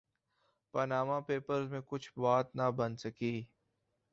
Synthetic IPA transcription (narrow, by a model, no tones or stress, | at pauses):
pənaːmãpeːpəɾzmẽkʊt͡ʃʰbaːt̪nabənsəkiː